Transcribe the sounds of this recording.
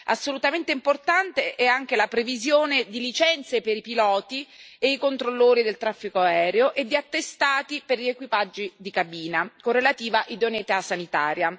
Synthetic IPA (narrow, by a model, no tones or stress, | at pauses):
a̰sːolut̪ament̪eimport̪ant̪eʔɛaŋk̟elapɾevizjoːned̪ilit͡ʃɛnt̪sepeɾipilɔːt̪ieikont̪ɾolːoːɾid̪elt̪ɾafːikoaɛːɾeoʔed̪ːiat̪ːest̪aːt̪iperʎiekwipad͡ʒːid̪ikabiːnakorːelat̪iːvaʔid̪onet̪asanit̪aːɾja